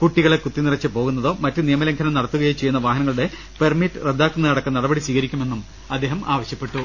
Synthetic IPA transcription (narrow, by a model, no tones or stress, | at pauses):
kuʈːiɣɐɭekut̪ːinirɐt͡ɕːɨpo̞ːɣunːɐðo̞ːmɐtːɨnijɐmɐlɐŋkʰɐnɐmnɐɽɐt̪ːuɣɐjet͡ɕe̞jːunːɐʋaːɦɐnɐŋːɐɭuɽe̞ | permitːɨred̪ːaːkːunːɐnɐɽɐkːɐnɐɽɐbɐɽiswiːɣɐɾikʲːume̞nːum | ɐd̪ːe̞ːɦɐmʔaːʋɐɕjɐpːeʈːu